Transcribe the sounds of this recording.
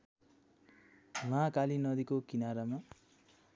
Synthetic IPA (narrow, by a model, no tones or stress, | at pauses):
mãkalinʌd̪ikokinaɾama